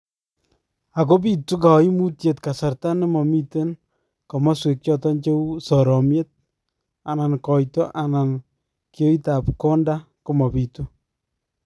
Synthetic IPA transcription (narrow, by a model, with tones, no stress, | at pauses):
a˨ko˦p̬i˦tu˦k̬a˨i˦mu˦tje˨tka˨sa˨ɾta˦nɪ˦mɔ˨mi˦te˦n | kɔ˨ma˦swe˨k̚t͡ʃɔ˦tɔ˦nt͡ʃe˦wsɔ˨ɾɔ˨mje˦t̚ | a˨na˨nkɔ˨jtɔ˦ʔa˨na˨n | kjo˦i˦ta˨pkɔ˦nda˦ | ko˦mɔ˨pi˨tu˦